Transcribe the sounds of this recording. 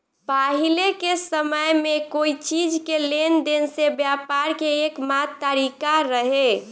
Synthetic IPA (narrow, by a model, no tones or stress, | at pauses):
paɦilekesəməjmekoit͡ʃid͡ʒkelend̪ensebjapaɾkeːkmat̪ːəɾikaɾəɦe